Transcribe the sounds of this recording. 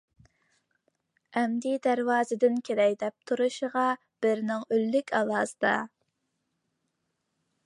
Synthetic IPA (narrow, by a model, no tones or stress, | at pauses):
ɛmd̪id̪æɾwɑːzɨd̪ɪnkʲʰelɛjd̪ɛp̚t̪ʰuɾuʃəʁɑ | b̥ɪɾnɪŋølːykʲɑlˠɑːzɨd̪ɑ̰